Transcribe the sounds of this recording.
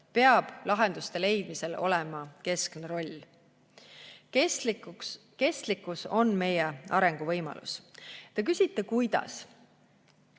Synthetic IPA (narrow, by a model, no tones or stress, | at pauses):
pe̞ɑb̥lɑɦe̞nd̪̥ust̪e̞le̞jd̪̥mise̞lo̞̰lɛmɑke̞skneɾo̞lʲː | ke̞st̪likːˑuso̞nme̞jeɑɾe̞ŋɡ̥uvɤjmɑ̰lṵst̪ek̬ysʲit̪ːekujd̪̥ɑ̰s